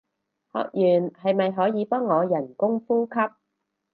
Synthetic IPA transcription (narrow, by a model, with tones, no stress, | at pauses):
hɔ̰ː˨k̚jyː˨˩nhɐ˨jmɐ˨jɦɔː˨˥jiː˨˧pɔː˥ŋːɔː˨˧jɐ˨˩nkʊ˥ŋfuː˥kʰɐ˥p̚